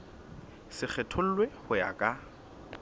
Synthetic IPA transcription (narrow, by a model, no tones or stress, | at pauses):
sɪk͡xʰɛtʰʊl̩lwehʊja̰kʼa